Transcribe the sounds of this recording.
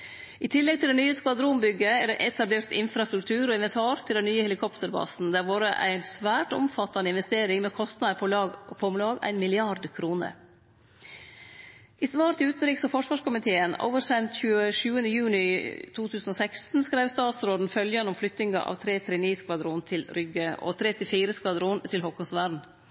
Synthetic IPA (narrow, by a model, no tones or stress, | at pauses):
ʔɪt̪ʰɪlːɛɡ̚t̪ʰɪld̪ɛnyːəskʋɑd̪ɾuːmbʏɡəæɖɛʔɛt̪ʰɑbleːɾt̪ɪnfɾɑst̪ɾʉk̚t̪ʰʉːɾɔːɪnʋɛnt̪ʰɑːɾt̪ʰɪld̪ɛnnyːəhɛlɪkʰɔpt̪əɾbɑ̰ːsn̩d̪æɾʋɑːɾə̰ʔæ̰ɪnsʋæːʈʊ̰mfɑt̪ːɑnəɪnʋɛst̪eːɾɪŋmɛːkʰɔst̪nɑd̪əɾpʰɔpʰɔmlɑːɡæ̰ɪnmɪlɪɑɾd̪kʰɾuːnə̰ɾ | ʔisʋɑːɾt̪ʰɪʉːt̪n̩ɾiːksɔfɔʂʋɑːʂkʊmɪt̪ʰeːəno̰ːʋəɾsɛnt̪çʉːəʂʉːənd̪əjʉːnɪt̪ʰuːt̪ʰʉːsn̩oːsækst̪n̩skɾæɪʋst̪ɑːt̪sɾoːd̪n̩fœljɑnəʊmflʏt̪nɪŋɑ̰ʔɑ̰ːʋt̪ʰɾeːt̪ʰɾɛːniːskʋɑd̪ɾuːnt̪ʰɪlɾʏɡəʔɔ̰t̪ʰɾɛt̪ɪfiːɾəskʋɑd̪ɾuːnt̪ʰɪlɦɔkːɔsʋæɖɳ̩